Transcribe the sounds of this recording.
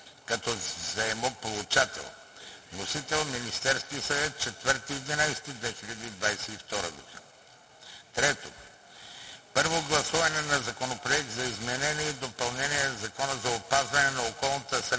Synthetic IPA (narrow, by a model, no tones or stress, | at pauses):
kɐt̪ɔzɐɛmopolˠut͡ʃat̪ɛ̰lˠ | nosit̪ɛlˠminist̪ɛɾskiəsɐvɛt̪̚t͡ʃɛt̪vəɾt̪iːd̪inajsɛ̥t̪id̪vɛxiʎʲɐd̪iːd̪vajsɛift̪ɔɾəɡ̪o̰ɡ̰ | t̪ɾɛt̪o̰ | pɤɾvoɡlˠɐsuvɐnɛnɐzɐkonopɾoɛk̚td̪zɐizmɛnɛniɛːd̪opɐlˠnɛniɛnzɐkɔnəzɐopazvɐnɛnɐokɔlˠnət̪əsɾ